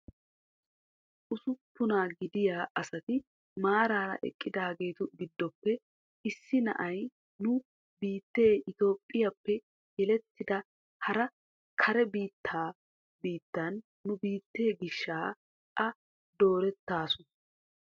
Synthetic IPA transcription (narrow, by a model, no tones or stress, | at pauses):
ʔʊsʊpːʊnaːɡɪd̪ɪjaːʔɐsɐt̪ɪ | maːɾaːɾɐ̰ʔɛ̰kʼːɪd̪aːɡe̞ːt̪ʊɡɪd̪ːɔpːɛ | ɪsːɪnɐ̰ʔɐj | nʊ | biːt̪ːe̞ːʔɪt̪o̞ːpʼːɪjɐpːɛ | jɛlɛt̪ːɪd̪ɐ | hɐɾɐ | kʰɐɾɛbiːt̪ːaː | biːt̪ːɐnː | ʊbiːt̪ːe̞ːɡɪʃːaː | ʔɐ | d̪o̞ːɾɛt̪ːaːsʊ